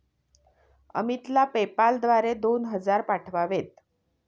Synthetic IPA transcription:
ə̰mit̪lapepald̪ʋaɾed̪onɦəd͡zaɾpaʈʰʋaʋet̪̚

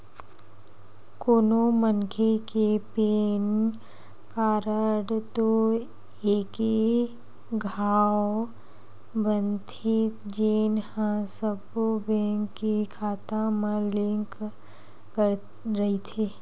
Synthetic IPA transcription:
koːnomənkʰekepeːn | kaːɾəɽt̪o | eːke | ɡʱaːw | bənt̪ʰed͡ʒeːnhãsəbobɛ̃ŋkːikʰaːt̪ãməlɪ̃ŋk | kəɾ | ɾɐɦit̪ʰeː

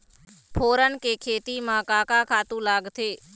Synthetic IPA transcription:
pʰoːɾənkeːkʰeːt̪imãːkaːkaːkʰaːt̪ũːlaːɡt̪ʰeː

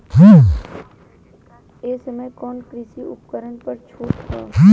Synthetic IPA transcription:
ɦãː | eːsəməjkɔːnkɾɪsiʊpkəɾənpəɾt͡ʃʰuːʈɦaːɦ

